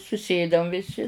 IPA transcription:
sʊˈsʲeːdɐm ʋʲɪˈsʲɪ

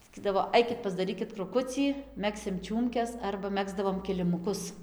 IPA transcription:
sɐˈkʲiːdɐʋoː ˈɐɪkʲɪt pɐzdɐˈrʲiːkʲɪt krʊˈkʊt͡sʲiː ˈmʲæːksʲɪm ˈt͡ʃʲuːmʲkʲɛs ˈɐrbɐ ˈmʲæːɡzdɐʋoːm kʲɪlʲɪmʊˈkʊs

